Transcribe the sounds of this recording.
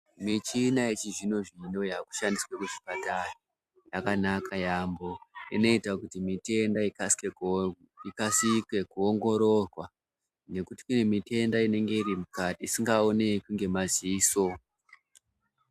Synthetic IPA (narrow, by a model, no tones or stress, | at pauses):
mit͡ʃinaet͡ʃiʐino̞ʐino̞jaːku̥ʃandiswe̞kuʐipatara | jakanakʰajambo̞ḭno̞itakutimite̞ndai | ikasikwe̞kuoŋɡo̞ɾo̞rwa | ne̞kuti̥kune̞mite̞ndaine̞ŋɡe̞irimukatiːsiŋɡao̞ne̞kuŋɡe̞maziiːso̞